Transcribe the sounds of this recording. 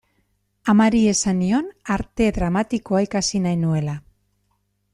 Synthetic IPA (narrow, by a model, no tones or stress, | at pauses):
amaɾie̞sanio̞naɾt̪e̞ðɾamat̪iko̞aikasinajnue̞la